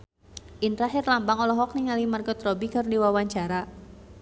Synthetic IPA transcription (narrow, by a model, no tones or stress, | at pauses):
ʔinɾaɦɪrlambaŋɔlɔɦɔk̚niŋalimarkɔt̪rɔbikɨrdiwawaɲt͡ʃaɾa